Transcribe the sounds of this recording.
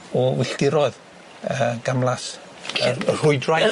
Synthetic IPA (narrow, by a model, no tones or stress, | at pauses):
ɔwɪɬd̥ɪɾɔɨð | əːɡ̥amlˠas | ərhʊɨdraj